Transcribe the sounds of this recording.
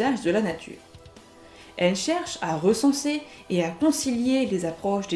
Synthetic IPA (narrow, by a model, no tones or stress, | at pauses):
aʒd̪əlanat̪ʰy̰ːʁ | ɛlʃɛʁʃaʁəsɑ̃seeakɔ̃siljelezapχɔʃd̪e